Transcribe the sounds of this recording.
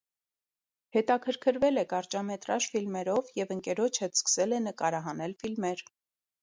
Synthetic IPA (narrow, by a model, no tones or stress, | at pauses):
hɛt̪ɑkʰəɾkʰəɾvɛlɛkɑɾt͡ʃɑmɛt̪ɾɑʃfilmɛɾɔvjɛvəŋkɛɾɔt͡ʃʰɛskə̥sɛlɛnəkɑɾɑɦɑnɛlfilmɛɾ